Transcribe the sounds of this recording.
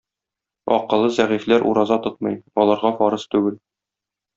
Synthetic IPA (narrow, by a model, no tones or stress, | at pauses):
ɒ̰qɤ̆lˠːɤzæʁiflæɾʔṵɾɑzɑt̪ot̪̚mɤjɒlˠɑɾʁɑfɒɾɤst̪ʉɡɘl